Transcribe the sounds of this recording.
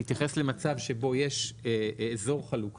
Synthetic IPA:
it̪jaχe̞sle̞mat͡savʃe̞bo̞jeʃː | zo̞ʁχaluk

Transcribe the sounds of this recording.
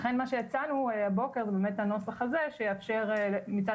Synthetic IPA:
χenmaʃe̞jat͡sanuehabo̞ke̞ʁzebeːmethano̞slaχazeʃejeafʃe̞ʁemit͡sa

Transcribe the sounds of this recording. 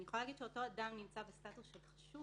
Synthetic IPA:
nijeχolalaːɡid̪ʃeoto̞adamnimt͡sabestatusʃelχḁʃu

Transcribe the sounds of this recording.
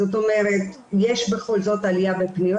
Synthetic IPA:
oto̞meʁet | jeʃbe̞χo̞lzo̞talijavepnijo

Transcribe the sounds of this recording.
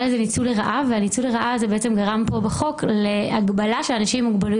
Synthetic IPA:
lezenit͡suleʁaʔaveanit͡suleʁaʔazebeet͡semɡaʁampo̞beχo̞kleaɡbalaʃeanaʃimːuɡbali

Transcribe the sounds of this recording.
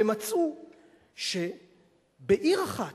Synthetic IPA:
emat͡su | ʃe | beʔiʁaχa

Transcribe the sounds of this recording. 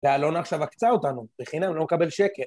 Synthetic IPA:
vealo̞naχʃavakt͡saotanubeχinamlo̞mekabe̞lʃe̞keʁ

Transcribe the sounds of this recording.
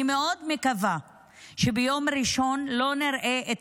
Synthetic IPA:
imeʔo̞d̪mekava | ʃebejo̞mɾiʃo̞nlo̞niɾʔeʔet̪

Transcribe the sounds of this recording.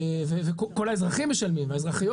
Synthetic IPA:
evevekoko̞laezʁaχimːeʃalmimveaezʁaχijo

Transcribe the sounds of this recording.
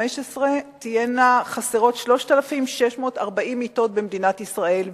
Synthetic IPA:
eʃesʁe̞t̪ijenaχaseʁo̞tʃlo̞ʃtalafimʃeʃmo̞ːtaʁbaʔimito̞t̚bemd̪inatisʁae̞l

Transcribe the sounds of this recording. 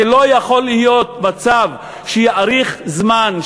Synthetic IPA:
elo̞jaχo̞lːihijo̞t̪mat͡sav | ʃejaʔaʁiχzman

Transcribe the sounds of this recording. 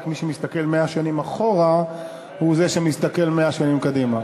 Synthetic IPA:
kmiʃemist̪ake̞lmeaʃanimaχo̞ʁa | huzeʃemist̪ake̞lmeaʃanimkadima

